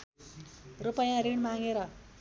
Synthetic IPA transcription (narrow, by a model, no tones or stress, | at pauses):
rupʌjãɾiɳmaŋɡeɾʌ